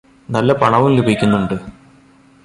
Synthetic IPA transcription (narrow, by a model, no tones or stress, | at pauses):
nɐlːɐpɐɳɐʋumlubʱikʲːunːuɳɖɨ